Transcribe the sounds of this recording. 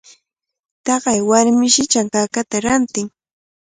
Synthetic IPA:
t̪ɑɢɑjwaɾmɪʃɪt͡ʃaŋkaːkat̪aɾant̪ɪŋ

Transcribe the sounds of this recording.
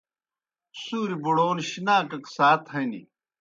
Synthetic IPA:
suːɾibuɽoːnɕinaːkɐksaːt̪hɐnḭ

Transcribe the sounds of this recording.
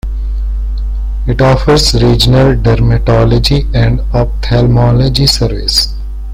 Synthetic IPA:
ɪʈɔːfəɾzɾiːd͡ʒənəlɖɛɾmɪʈɔːlɔd͡ʒiɛ̃ɳɖɔːp̚t̪ʰɛlmɔːlod͡ʒisəɾʋɪ̰s

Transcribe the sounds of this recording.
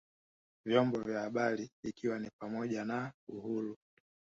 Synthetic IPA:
vjɔmbɔvjahaɓaliikʰiwanipamɔʄanauhuɾu

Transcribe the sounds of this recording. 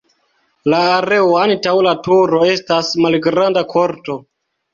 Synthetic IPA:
laːɾe̞oantawlatuɾo̞e̞stasmalɡɾandakʰo̞ɾto̞

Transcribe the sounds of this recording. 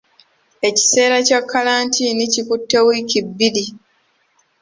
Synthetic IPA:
e̞ci̥se̞ːɾacakʰːalaːntinicikutːewicibːili

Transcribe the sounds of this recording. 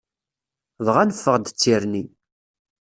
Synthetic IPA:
ðʁænəfːəʁd̪t͡sːiɾni

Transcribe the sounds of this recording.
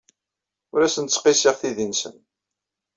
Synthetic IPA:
ʊɾæsənt̪t͡sːqisiʁθiðinsə̰n

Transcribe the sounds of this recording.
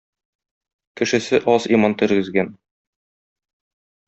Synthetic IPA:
kɘ̆ʃɘ̆sɘʔɒsimɑnt̪ɵ̆ɾɡɘ̆zɡæn

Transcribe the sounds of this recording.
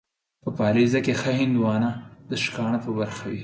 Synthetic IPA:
pəpɑlezakexahɪnd̪wɑnad̪əʃkɑɳapəbaɾxawi

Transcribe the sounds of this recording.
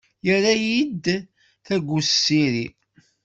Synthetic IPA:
jəɾæjid̪ | θæɡʷːussːiɾḭ

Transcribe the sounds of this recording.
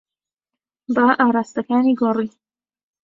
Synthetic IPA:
baːʔaːɾaːst̪ɐkaːniːɡoriː

